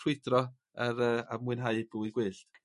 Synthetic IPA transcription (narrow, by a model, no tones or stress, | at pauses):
r̥wɪdrɔ | aɾəːamwɨnɦaɨbəiɡwɨːɬd̥